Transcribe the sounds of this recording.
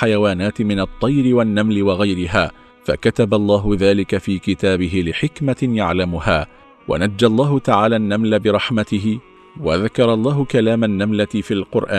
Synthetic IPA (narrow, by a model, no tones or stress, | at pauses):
ħajawaːnaːt̪ɪmɪnɑt̪ˤːɑjɾɪwanːamlɪwɑɣajɾɪɦaː | fakat̪abalˤːɑːɦʊðaːlɪkafiːkɪt̪aːbɪɦɪlɪħɪkmajaʕlamʊhaː | wa̰nad͡ʒːalˤːɑːhʊt̪aʕaːlaːʔnːamlabɪɾˤɑħmat̪ɪɦɪ | waðakɑɾˤɑlˤːɑːɦʊkalaːmanːamlaɪfilqʊɾˤʔa̰ː